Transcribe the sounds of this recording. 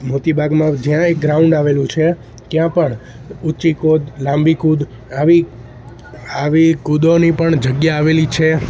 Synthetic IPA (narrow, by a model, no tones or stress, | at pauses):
mot̪ibʱaɡmãd͡ʒjãek̚ɡɾauɳɖaʋelũt͡ʃʰe | kjãpəɳ | ut͡ʃikod̪lãmbikud̪ | aʋi | aʋikud̪onipəɳd͡ʒəɡjaːʋelit͡ʃʰe